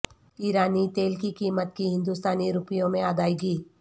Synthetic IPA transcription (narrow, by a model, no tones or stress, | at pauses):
iːɾaːnit̪eːlkikiːmət̪kiɦɪ̃nd̪ust̪aːniɾʊpijõmẽaːd̪aːiɡiː